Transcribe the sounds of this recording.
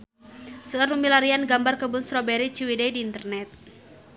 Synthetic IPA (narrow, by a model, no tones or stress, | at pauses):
səərumilaɾianɡambarkəbunsɾobɛɾit͡ʃiwidɛdiːnt̪ərnɛt̪̚